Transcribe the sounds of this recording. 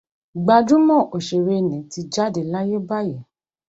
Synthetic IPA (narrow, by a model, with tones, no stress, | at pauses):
ɡ͡ba˧dũ˦mɔ̃˦˨ʔo˨ʃe˨ɾe˧˨nĩ˨˦ti˧d͡ʒa˦de˨la˦je˦ba˦˨jɛ˨